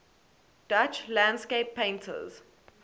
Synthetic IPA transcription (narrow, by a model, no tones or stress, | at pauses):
d̥at͡ʃlãndskeɪpʰːẽɪ̃ntʰə̰z̥